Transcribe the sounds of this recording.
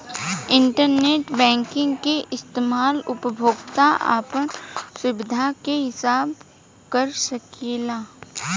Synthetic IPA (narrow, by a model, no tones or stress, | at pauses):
ɪ̃ɳʈəɾneːʈbɛ̃ːŋkɪ̃ŋɡkeʔɪst̪eːmaːlʊpəbʱoːɡt̪aa̰ːpənsʊbɪd̪ʱakeɦɪsaːb | kəɾsɐkeːlaː